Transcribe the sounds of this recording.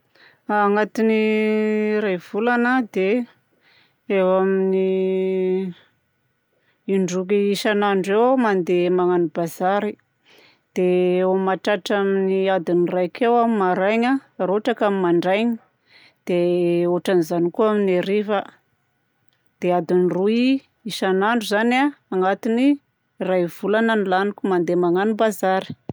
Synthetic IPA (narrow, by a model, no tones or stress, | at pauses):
aːŋat̪ini | ɾajv̥ulanəd̪e | ewamini | iɳɖ͡ʐuk̬iiʃanaɳɖ͡ʐewmand̪emaŋanubazaɾi | d̪̥eomaʈ͡ʂaʈ͡ʂaminiad̪inirajkewamimaɾajɲaroʈ͡ʂakamimaɳɖ͡ʐajɲi | d̪̥eoʈ͡ʂanizanikuamineɾiva | d̪̥ead̪inirui | iʃanaɳɖ͡ʐuzanaːŋat̪ini | rajv̥ulanənilanikumand̪emaŋanubazaɾi̥